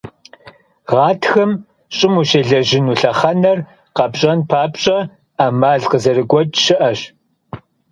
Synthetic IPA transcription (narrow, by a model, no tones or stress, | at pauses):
ʁɑːtʰxɨm | ɕʼɪmuʃeɮɐʑɪnuːɬɐχɐnɐr | qɐbɕʼɐnpʰaːpɕʼɐ | aːmaːɮqəzɐrɨɡʷɔtʼʃɪʔɐɕ